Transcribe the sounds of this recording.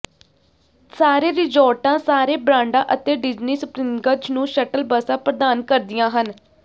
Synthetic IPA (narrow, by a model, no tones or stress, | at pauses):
saːɾeːɾɪd͡ʒɔːʈãːsaːɾeːbɾãːɳɖãːʔət̪eːɖɪd͡ʒniːsʊpɾiːmɡəd͡ʒnũːʃəʈəlbəsãːpɾəd̪aːnkəɾd̪ɪjãːɦən